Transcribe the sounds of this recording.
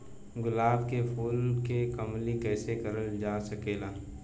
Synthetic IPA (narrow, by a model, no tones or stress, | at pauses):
ɡʊlaːbkepʰuːlkekəmlikɛːsekəɾəld͡ʒaːsəkeːlaː